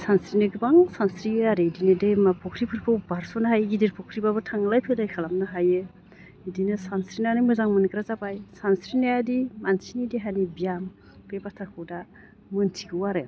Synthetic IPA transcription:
sansɾinɯɡɯbaŋsansɾiaɾedinɯdemapʰɔkʰɾipʰɯɾkʰɯwbaɾsɔnaɦajɡidiɾpʰɔkʰɾibabɯtʰaŋlajpʰelajkʰalamnaɦajɯ | idinɯsansɾinanimɯzaŋmɯnkɾazabajsansɾinajadimansinidiɦanibijam | kebatʰaɾkʰɯwda | mɯntʰiɡɯwaɾe

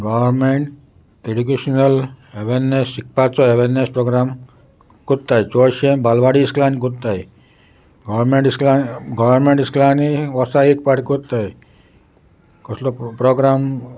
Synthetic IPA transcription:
ɡɔʋɾmeɳʈ | eɖukeʃnəleʋeɾnːesik̚pat͡sɔeʋeɾnːespɾoɡɾam | kut̪ːajt͡ʃoʃembalʋaɽiːsklanikut̪ːai | ɡɔʋɾmeɳʈisklanɡɔʋəɾmeɳʈisklaniʋɔsaik̚paʈʰkut̪ːaj | kɔslopɾoɡɾam

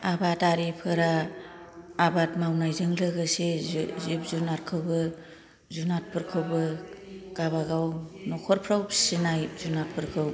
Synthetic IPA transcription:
abataɾipʰɯɾaː | batmawnajzɯŋlɯɡɯsezzip̚zunaɾkʰɯwbɯ | zunat̚pʰɯɾkʰɯwbɯɡ̥aβaɡawnɔkʰɔɾpʰɾawsinajzunat̚pʰɯɾkʰɯw

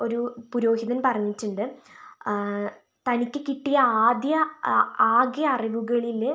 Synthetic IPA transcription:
o̞ɾupuɾo̞ːɦiðɐnpɐrɐɲːitːuɳɖɨ | t̪ɐnikʲːɨkiʈːijɐaːd̪jɐaːɡjɐːriʋuɣɐɭil

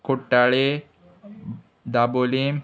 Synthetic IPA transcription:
kuʈːaɭe | d̪abolim

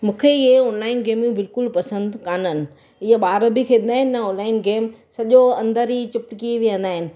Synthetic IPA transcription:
mũːkʰeɪɦeʊnlaːɪnɡeːmjũbɪlkʊlpɐsə̃nd̪kaːnənɪ̆ | ɪɦeɓaːɾəbikʰeːnd̪aːɦɪnːɐoːnlaːɪnɡeːmsɐʄoɐ̃nd̪əɾit͡ɕʊpʈkiʋiə̃nd̪aːɦɪnɪ̆

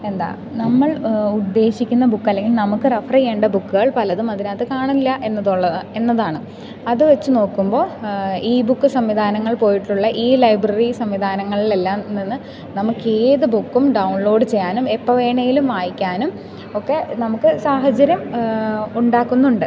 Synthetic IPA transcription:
e̞nd̪a̰ː | nɐmːɐɭud̪ːe̞ːɕikʲːunːɐbukːɐlːe̞ŋɡilnɐmukːɨrɐfrɐjeːɳɖɐbukːɨɣɐɭpɐlɐðumɐðinaːt̪ːekaːɳɐilːɐʔe̞nːɐðuɭːɐe̞nːɐðaːɳɨ | ɐðɨʋet͡ɕːɨno̞ːkːumbo̞ːiːbukːɨsɐmʋid̪ʱaːnɐŋːɐɭpo̞ːjiʈːuɭːɐʔiːlɐjbrɐrisɐmʋid̪ʱaːnɐŋːɐɭile̞lːaːmninːɨ | nɐmukːeːðɨbukːumɖɐwuɳlo̞ːɖɨt͡ɕe̞jːaːnumepːɐʋe̞ːɳɐjilumʋaːjikʲːaːnum | okːe̞nɐmukːɨsaːɦɐt͡ɕɐɾjɐm | uɳɖaːkːunːuɳɖɨ

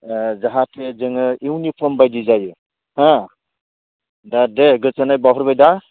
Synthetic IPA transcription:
zaɦatʰezɯŋɯiwnipʰɔmbajdizajɯ | hã | dadeɡɯsanajbaɦɔɾbajda

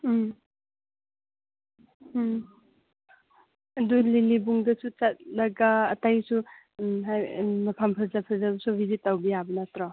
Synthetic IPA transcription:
ɐdulilibuŋdɐsut͡ʃat̚lɐɡaːtajsu | ɦajmɐpʰampʰɐzapʰɐzabɐsubizitːawbijabənatɾɔ

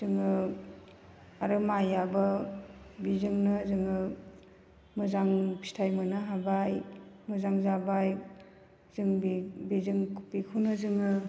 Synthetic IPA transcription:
zɯŋɯ | aɾɯmajabɐ | bizɯŋnɯzɯŋɯ | mɯzaŋpʰi̥stʰajmɯnaɦabajmɯzaŋzabaj | zɯŋbibizɯŋkʰu̥pikʰunɯzɯŋɯ

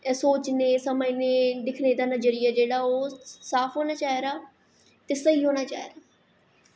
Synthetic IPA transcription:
soːt͡ʃnẽːsəməineːd̪ɪkʰneːd̪aːnəd͡ʒəɾɪɛːd͡ʒeːɽaːoːsaːpʰɦoːnaːt͡ʃaːeːɾaː | t̪eːsəɦiːɦoːñaːt͡ʃaːḛːɾaː

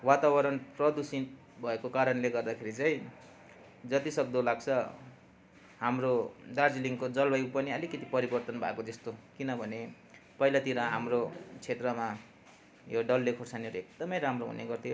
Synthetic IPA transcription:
wat̪abʌɾʌnprʌd̪usi | bʱʌekokaɾʌnleɡʌrd̪akʰeɾit͡saĩ | d͡zʌt̪isʌɡ̚d̪olaɡt͡sʰʌ | ɦamrodard͡ziliŋkod͡zʌlbʌjpʌniʌlikʌt̪ipʌɾibʌrt̪ʌnbʱa̰kod͡zʌst̪okinʌbʱʌne | pʌilat̪iɾʌɦamrot͡sʰet̪rʌma | joɖʌlːekʰorsaniʌɾuek̚d̪ʌmʌjɾamroɦṵneɡʌrt̪ʰijo

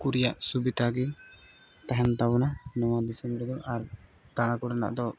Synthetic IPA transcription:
kuɾijaʔsubid̪ʱaɡɛ | t̪aɦɛnt̪abɔnanɔwad̪isɛmbɾɛd̪ɔʔaɾ | t̪aɽ̃ãkuɾana̰ʔd̪ɔ

